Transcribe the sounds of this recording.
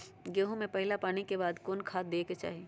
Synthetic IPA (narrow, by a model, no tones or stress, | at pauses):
ɡeːɦõmẽpɐɦɪlapaːɽ̃ikebaːd̪koːnkʰaːt̪̚d̪eːket͡ʃa̰ːɦie